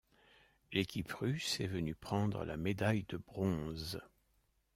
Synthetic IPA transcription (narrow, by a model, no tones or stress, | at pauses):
lekʲʰipʁysɛvənypχɑ̃d̪ʁə̰la̰med̪ajd̪əbʁɔ̃z